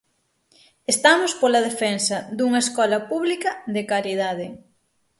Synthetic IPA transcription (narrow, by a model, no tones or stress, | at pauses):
est̪amospolɐðefɛnsɐd̪uŋɐeskɔlɐpuβlikɐðekaɾið̞aðɪ